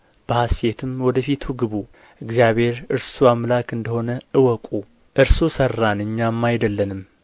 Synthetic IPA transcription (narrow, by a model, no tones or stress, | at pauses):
b̥əhasje̞t̪ʰɨmwɔd̪əfit̪ʰuɡɨβu | ʔɨɡzijaβhe̞ɾɨɾsuamlakɨnd̪əho̞nəʔɨwɔkʼu | ʔɨɾsusərːanɨɲːamːajd̪əlːənɨm